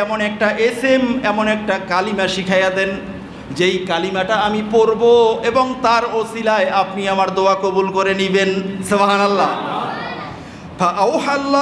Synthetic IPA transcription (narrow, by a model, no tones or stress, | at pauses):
ɛmonɛk̚ʈaʔesemɛmonɛk̚ʈakalimaʃikʰajat̪en | d͡ʑejkalimaʈaamipoɾboeboŋt̪aɾosilaeapniamaɾd̪oakobulkoɾenibensebaɦanalːa | pʰaʔawhalː